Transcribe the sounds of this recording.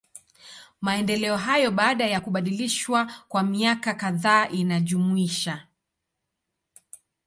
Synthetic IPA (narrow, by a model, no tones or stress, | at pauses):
maɛndɛlɛɔɦajɔɓaːɗajakuɓaɗiliʃwakwamiakakaðaːʔinaʄumuiʃa